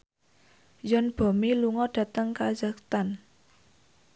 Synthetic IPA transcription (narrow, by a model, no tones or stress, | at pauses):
jɔnb̥ɔ̤miluŋɔɖ̥ä̤t̪əŋkad͡ʒakt̪an